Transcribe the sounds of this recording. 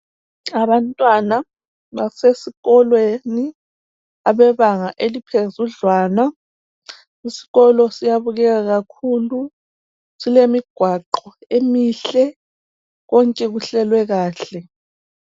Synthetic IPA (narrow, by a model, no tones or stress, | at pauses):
aβantʼwana | βasesiɣɔlweni | aβɛβaŋaʔelipʰezuɮwaːna | isi̥ɣɔlɔsijaβuɣɛɣaɣakʰulu | silemiɡ̥ʱwaǃɔemiɬɛ | ɣɔŋkʼɛɣuɬɛlwɛɣaːɬɛ